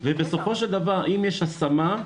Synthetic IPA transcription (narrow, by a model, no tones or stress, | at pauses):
vebeso̞fo̞ʃeld̪avaʁʔimjeʃhasama